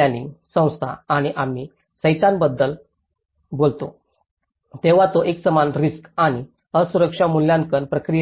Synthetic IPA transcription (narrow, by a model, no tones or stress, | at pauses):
anḭsə̃w̃st̪ʰa̰aɽ̃iʔam̤i | səjt͡sanbəd̪ːəl | bolt̪o | t̪eʋ̤at̪oʔeksəmanɾiskaɽ̃i | əsuɾəkʂamuljãnkənpɾəkɾij